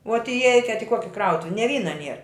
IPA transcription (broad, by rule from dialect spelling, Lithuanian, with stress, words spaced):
uɔt ɪˈɛɪkʲɛt ɪ ˈkuɔkʲɪ ˈkrɐʊtʊʋʲɪ nʲɛ ˈʋʲiːnɐ ˈnʲiɛr